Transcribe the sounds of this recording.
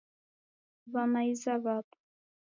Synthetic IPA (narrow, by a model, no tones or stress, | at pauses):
βanaizaβapʼ